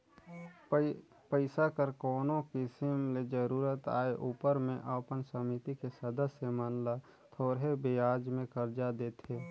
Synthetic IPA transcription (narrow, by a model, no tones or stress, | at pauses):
pəɪsakəɾkoːnõkɪsɪmled͡ʒəɾuːɾət̪a̰ːeʔuːpəɾmẽʔəpənsəmɪt̪ikesəd̪əsjəmənla | t̪ʰoːɾɦebeaːd͡ʒmẽkəɾd͡ʒad̪eːt̪ʰeː